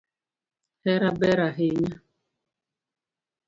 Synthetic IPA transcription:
hɛɾabɛɾaɦeɲa

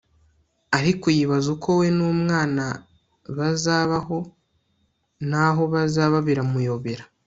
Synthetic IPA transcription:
aɾikujiβazuko̞we̞nuːmŋaːna | βazaːβaɦo̞ | naɦo̞βazaːβaβiɾamujo̞βe̞ɾḁ

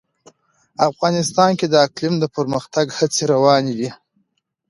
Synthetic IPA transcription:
afɣɑnɪst̪ɑnked̪əaklimd̪əpəɾməxt̪aɡhat͡seɾawɑnid̪i

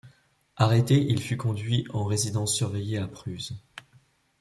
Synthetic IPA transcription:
aʁet̪eʔilfykɔ̃d̪ɥiɑ̃ʁezid̪ɑ̃sːyʁvejeapχyz

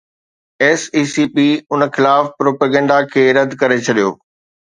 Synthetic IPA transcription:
ɛːsiːsipiːʊnxɪlaːfpɾoːpəːɡɛ̃ːɳɖakʰeːɾɐd̪ʱkɐɾet͡ɕʰɐɗijo̰ː

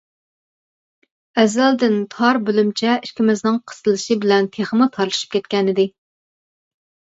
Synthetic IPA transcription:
ɛzæld̪ɪnt̪ʰɑɾbølymt͡ʃʰɛiʃkʲʰimɪznɪŋqʰə̥sɨlˠɨʃɨbɪlɛnt̪ʰeχəmɨt̪ʰɑɾlˠɨʃɨ̥p̚kʲɛt̪kʲɛnɪd̪ɪ

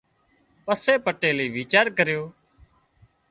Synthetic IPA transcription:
pəseːpəʈeːliːʋiːt͡ʃaːɾkəɾjoː

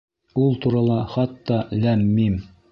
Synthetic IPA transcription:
ulˠt̪uɾɑlˠɑχɑt̪ːɑlæmːim

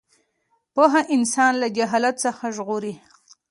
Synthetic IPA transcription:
poɦaʔɪnsɑnlad͡ʒaɦɑlat̪səxaʒɣoɾi

